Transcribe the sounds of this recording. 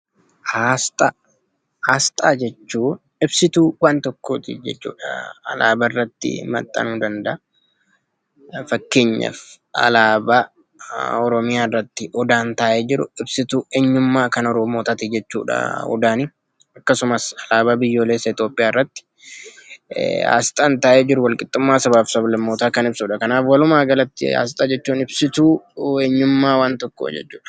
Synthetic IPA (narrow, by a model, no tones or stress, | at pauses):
hast̪ʼɐ | haːst̪ʼaːd͡ʒɛt͡ʃːuː | ɪbsɪt̪uːwaːnt̪ɔkːoːt̪ɪ̰d͡ʒɛ̰t͡ʃːṵːᶑɐ̰ɐ̰la̰ːbɐɪrːɐt̪ːɪ̰mɐ̰t̪ʼːɐ̰nuːd̪ɐnd̪ɐɐ | fɐkːe̞ːɲːɐ̰f | ɐ̰laːba | ɔɾɔmɪjaːrːɐt̪ːɪʔɔd̪aːnt̪aːʔeːd͡ʒɪɾʊ̰ɪbsɪt̪uːeːɲːʊmːaːkɐnɔɾɔːmoːt̪ɐt̪ɪd͡ʒɛt͡ʃːṵːᶑɐ̰ɔ̰d̪aːnɪ | ɐkːɐsʊmɐsɐlaːbaːbɪjːo̞ːleːsːɐɪt̪jo̞ːpʼːɪjaːrːɐt̪ːɪ̥ | a̰ːsɪ̥t̪ʼɐnt̪aːʔeːd͡ʒɪɾʊwɐlkʼɪt̪ʼːʊmːaːsɐβaːfsɐblɐmːoːt̪aːkɐnɪbsuːᶑɐkɐnaːfwɐlʊmaːɡɐlɐt̪ːɪ̰a̰ːs̬ɪt̪ʼɐd͡ʒɛt͡ʃːuːnɪbsɪt̪uːeːɲːʊmːaːwaːnt̪ɔkːo̰d͡ʒɛ̰t͡ʃːu̥ːᶑɐ̥